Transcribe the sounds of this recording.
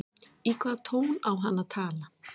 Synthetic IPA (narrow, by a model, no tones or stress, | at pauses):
ikat̪ʰownawɦanat̪ʰala